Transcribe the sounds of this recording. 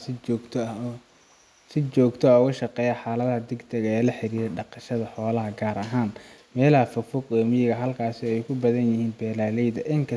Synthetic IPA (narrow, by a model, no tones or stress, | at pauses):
sɪt͡ʃɔːɡt̪ʰɔaɣʊʃɐqɛːjɐħaːlɐðɐhɐd̪ɛɡd̪ɐɣɐɛːlɐħɪɾiːɾɛɖɑqɑʃɐðɐħɔːlɐɦɐɡaːɾɐɦaːnmɛːlɐhɐfɐfʊɡɔːmɪjɣɐɦɐlkʰaːsɪɔɛjkʰʊbɐðɐnjɪhiːnbɛːlaːlɛjd̪ɐʔɪŋkʰɐ